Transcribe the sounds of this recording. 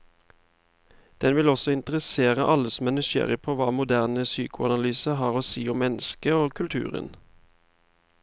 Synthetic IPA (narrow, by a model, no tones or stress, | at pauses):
d̪̥ɛnʋɪlɔsɔɪnt̪əʁəseːʁəʔɑləsɔmɛnʉʃḛːʁəpʰoːʋɑːmʊd̪æʁnəsyːkʊɑnɑlyːsəɦɑːʁoːsiːʊmːɛnəskəoːkʰʉlt̪ʰʉ̰ːʁə̰n